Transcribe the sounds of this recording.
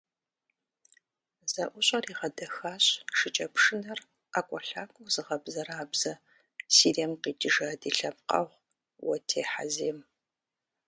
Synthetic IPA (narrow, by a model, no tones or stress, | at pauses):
z̥ɐʔʷʊɕʼɐriːʁɐdɐxaːɕʂɨt͡ʃʼɐpʂɨnɐr | akʷʼɔɬaːkʷʼʊwzɨʁɐbzɐɾaːbz̥ɐ | siːrɛmqiːtʼɨʒaːdiːɬɐp̚qɐ̰ʁʷ | wɐtʰeːħa̰zeːm